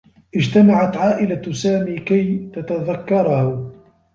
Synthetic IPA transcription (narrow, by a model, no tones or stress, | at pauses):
ʔɪd͡ʒt̪amaʕat̪ʕaːʔɪlasaːmiːkajt̪at̪aðakːɑɾˤɑhʊ